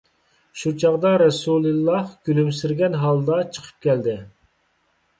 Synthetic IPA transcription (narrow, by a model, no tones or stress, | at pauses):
ʃut͡ʃʰɑʁd̪ɑɾɛsulˠɨlˠːɑhɡʲylymsɪɾɡʲɛnɦɑlˠd̪ɑt͡ʃʰə̥qʰə̥p̚kʲɛld̪ɪ